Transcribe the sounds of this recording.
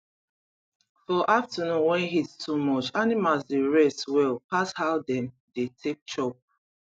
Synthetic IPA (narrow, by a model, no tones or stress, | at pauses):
fɔʔaftənũnwɛ̃nɦitsomɔt͡ʃanimalzdeɹɛswɛlpashaʊdɛ̃m | detʰek̚t͡ʃɔp̚